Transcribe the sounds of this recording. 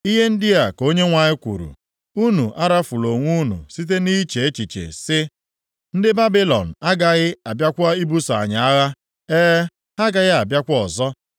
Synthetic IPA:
i˦ɦe˦n̩˦dɪ˦a˨ko˦ɲe˦ŋʷa˨ɲɪ˦kʷṵ˨ɾṵ˨ | u˦nu˨ʔa˦ɾa˦fu˨lo˨ŋʷu˦nṵ˨si˦t̬e˦ni˦t͡ʃe˨e˦t͡ʃi˨t͡ʃḛ˨sɪ˦ | n̩˦dɪ˦ba˦bi˦lɔ̰˨n̩˨a˦ɡa˨ɣɪ˦a˨bja˦kʷa˦i˦bu˦sa̰˨ɲa˨a˦ɣa˦ | eː˦ | ha˦ɡa˨ɣɪ˦a˨bja˦kʷɔ˨zɔ˦

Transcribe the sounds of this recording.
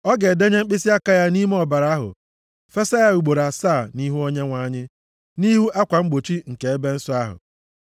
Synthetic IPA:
ɔ˦ɡe˨de˦ɲe˦ŋ͡m̩˦k͡pɪ˦si˦a˦ka˦ja˦ni˦m˦ɔ˦˨ba˨ɾa˨a˦ɦʊ̰˨ | fe˦sa˦ja˦u˨ɡ͡bo˨ɾa˨saː˦˨ni˦ɦu˦o˦ɲe˦ŋʷa˨˦˨ɲɪ˦ | ni˦ɦu˦ʔa˦kʷa˨ŋ͡m̩˦ɡ͡bo˨t͡ʃi˦ŋ̩˨ke˨e˦be˦n̩˦sʊ˦a˦ɦʊ̰˨

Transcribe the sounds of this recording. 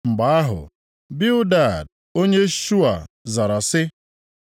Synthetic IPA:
mŋ͡m̩˨ɡ͡ba˨a˦ɦʊ̰˨ | bɪ˦ʊ˦da˨d | o˦ɲe˦ʃu˦a˨ | za˨ɾa˨sɪ˦

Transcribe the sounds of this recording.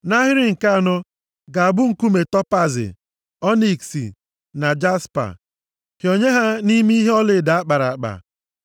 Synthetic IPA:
na˦ɦɪ˦ɾɪ˦ŋ̩˨ka˦a˨nɔ˦ | ɡa˨a˨bʊ˦ŋ̩˨ku˦me˨tɔ˦pa˦zɪ̰˨ | ɔ˦ni˨ksḭ˨ | na˨d͡ʒa˦spa̰˨ | ho˨ɲe˦ɦa˦ni˦mi˦i˦ɦe˦ɔ˦lɪ˨da˨a˦k͡pa˨ɾa˨k͡pa̰˨

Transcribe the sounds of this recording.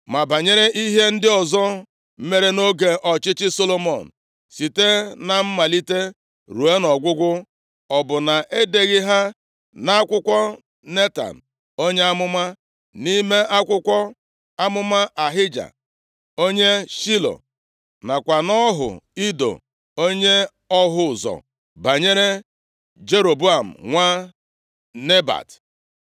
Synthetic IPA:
ma˨ba˨ɲe˦ɾe˦ʔi˦ɦe˦n̩˦dɪ˦ɔ˨zɔ˦ | m̩˦me˦ɾe˦no˦ɡe˨ʔɔ˨t͡ʃɪ˦t͡ʃɪ˦so˦lo˦mɔ˨n̩˨ | si˨te˦na˨m̩˦ma˨li˦te˦ | ɾu˨e˦nɔ˨ɡʷʊ˦ɡʷʊ˦ | ɔ˨bʊ˨na˨ʔe˦de˨ɣɪ˦ɦa˦ | na˦a˦kʷʊ˦kʷɔ˦ | ne˦ta̰˨n̩˨ | o˦ɲe˦a˦mʊ˦ma˦ | ni˦me˦a˦kʷʊ˦kʷɔ˦ | a˦mʊ˦ma˦ʔa˨ɦɪ˦d͡ʒa̰˨ | o˦ɲe˦ʃi˦lo̰˨ | na˨kʷa˨nɔ˦ɦʊ̰˨i˦do̰˨ | o˦ɲe˦ | ɔ˦ɦʊ˦˨zɔ̰˨ | ba˨ɲe˦ɾe˦ | d͡ʒe˦ɾo˨bu˦a˨m̩̰˨ŋʷa˦ | ne˦ba̰˨t

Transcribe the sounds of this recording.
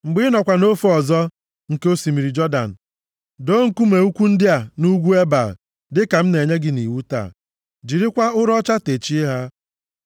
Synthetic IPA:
ŋ͡m̩˨ɡ͡bɪ˦nɔ˨kʷa˨no˦fo˦ɔ˨zɔ˦ | ŋ̩˨ke˦o˦si˨mi˨ɾi˨d͡ʒɔ˦da̰˨n̩˨ | do˦ŋ̩˦˨ku˦me˨u˦kʷu˦n̩˦dɪ˦a˨nu˦ɡʷu˦e˦ba˨ | dɪ˦ka˨m̩˦ne˨ɲe˦ɡɪ˦ni˨wu˦ta̰˦˨ | d͡ʒi˨ɾɪ˦kʷa˦ʊ˦ɾɔ˦t͡ʃa˦te˨t͡ʃi˦ɦa˦

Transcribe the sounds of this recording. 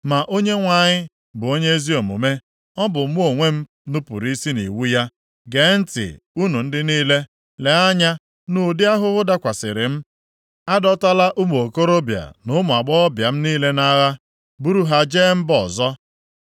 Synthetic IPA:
ma˨ʔo˦ɲe˦ŋʷa˨ɲɪ˦ | bʊ˨o˦ɲe˦e˦zi˦o˨mṵ˨me˦ | ɔ˦bʊ˨m̩˦mu˦o˨ŋʷe˦m̩˦ | nʊ˦pṵ˨ɾi˦si˦nḭ˨wu˦ja˦ | ɡe˨˦n̩˦tɪ̰˨ | u˦nu˨n̩˦dɪ˦niː˦le˦ | le˨a˦ɲa˦ | nu˨dɪ˦a˦ɦʊ˦ɣʊ˦da˦kʷa˨sɪ̰˨ɾɪ˨m̩˦ | a˦dɔ˦ta˦la˦ʔu˦m˨o˨ko˦ɾo˦bja̰˨nʊ˦mʊ˨a˨ɡ͡bɔ˦ɔ˦bja˨m̩˦niː˦le˦na˦ɣa˦ | bu˦ɾu˦ɦa˨d͡ʒe˦m̩˦bɔ˨zɔ˦

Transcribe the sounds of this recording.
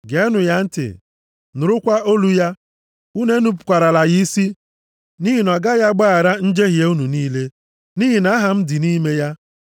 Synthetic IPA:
ɡe˨˦nʊ˨ja˦n̩˦tɪ̰˨ | nʊ˨ɾʊ˦kʷa˦o˦lu˦ja˦ | u˦ne˦nu˦pʊ˨kʷa˨ɾa˨la˨ɣi˦i˦si˦ | ni˦ɦi˨nɔ˨ɡa˦ja˦ɡ͡ba˦a˨ɾa˦n̩˦d͡ʒe˦ɦje˦u˦nu˨niː˦le˦ | ni˦ɦi˨na˦ɦa˨m̩˦dɪ˨niː˦me˦ja˦

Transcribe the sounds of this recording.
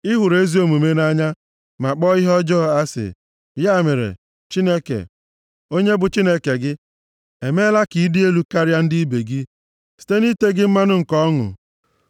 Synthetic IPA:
ɪ˦ɦʊ˨ɾe˦zi˦o˦mu˨me˦na˦ɲa˦ | ma˨k͡pɔ˦ɪ˦ɦɔ˦d͡ʒɔː˦˨a˦sɪ̰˨ | ja˦˨me˨ɾḛ˨ | t͡ʃi˦ne˦kḛ˨ | o˦ɲe˦bʊ˨t͡ʃi˦ne˦ke˨ɡɪ˦ | e˨me˦la˦ki˨i˦di˦e˦lu˦ka˦ɾja˦n̩˦di˦i˦be˨ɡi˦ | si̥˨te˦ni˦te˦ɡɪ˦m̩˦ma˦nʊ˦ŋ̩˨kɔ˦ŋʊ̰˨

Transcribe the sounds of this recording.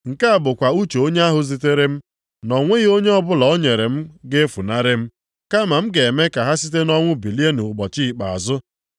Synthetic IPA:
ŋ̩˨ka˦a˨bʊ˨kʷa˨u˦t͡ʃe˨o˦ɲe˦a˦ɦʊ˨zi˨te˦ɾe˦m̩˦ | nɔ˨ŋʷe˦ɣo˦ɲe˦ɔ˦bʊ˦lɔ˨o˦ɲe˨ɾe˨m̩˦ɡe˦fu˨na˦ɾɪ˦m̩˦ | ka˦ma˨m̩˦ɡe˨e˨me˦ka˨ɦa˦si˦t̬e˦nɔ˦ŋʷʊ˦bi˨li˦e˦nu˨ʊ˨ɡ͡bɔ˨t͡ʃi˦i˨k͡pa̰˨a̰˨zʊ˦

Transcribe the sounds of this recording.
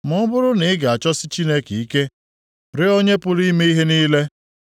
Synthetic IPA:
mʊ˨˦bʊ˦ɾʊ˦nɪ˨ɪ˦ɡa˨a˨t͡ʃɔ˦sɪ˦t͡ʃi˦ne˦ki˨i˦ke˦ | ɾɪ˦o˦ɲe˦pʊ˦ɾi˦me˦i˦ɦe˦niː˦le˦

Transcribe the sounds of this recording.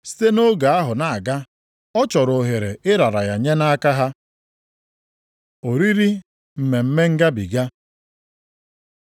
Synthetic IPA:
si̥˦te˦no˦ɡa˨a˦ɦʊ˨na˨ɡa˦ | ɔ˦t͡ʃɔ˨ɾo˨ɦe˨ɾe˨ʔɪ˦ɾa˨ɾa˨ja˨ɲe˦na˦ka˦ɦa˦ | o˨ɾi˦ɾi˦ | m̩˨me˨m̩˦me˦ŋ̩˦ɡa˦bḭ˨ɡa˦

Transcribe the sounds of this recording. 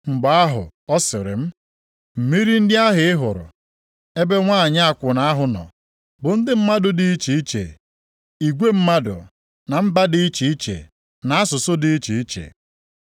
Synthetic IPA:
ŋ͡m̩˨ɡ͡ba˨˦a˦ɦʊ̰˨ɔ˦sɪ˨ɾɪ̰˨m̩˦ | m̩˨mi˦ɾi˦n̩˦dɪ˦a˦ɦɪ˨ɪ˦ɦʊ˨ɾʊ̰˨ | e˦be˦ŋʷa˦˨ɲ˦a˦kʷʊ˨na˨a˦ɦʊ˨nɔ̰˨ | bʊ˨n̩˦dɪ˦m̩˦ma˦dʊ˨dɪ˦i˦t͡ʃi˨i˦t͡ʃḛ˨ | i˨ɡʷe˦m̩˦ma˦dʊ̰˨ | na˨m̩˦ba˦dɪ˦i˦t͡ʃi˨i˦t͡ʃḛ˨ | na˨a˦sʊ˨sʊ˦dɪ˦i˦t͡ʃi˨i˦t͡ʃḛ˨

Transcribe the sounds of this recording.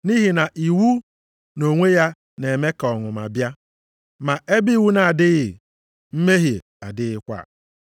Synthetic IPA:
ni˦ɦi˨na˨ʔi˨wu˦ | no˨ŋʷe˦ja˦ | ne˨me˦ka˨ɔ˨ŋʊ˨ma̰˨bja˦ | ma˨e˦bi˦˨wu˦na˨a˨dɪ˦ɣɪ˨ | m̩˦me˦ɦi˨ | a̰˨dɪ˦ɣɪ˦kʷa̰˦˨

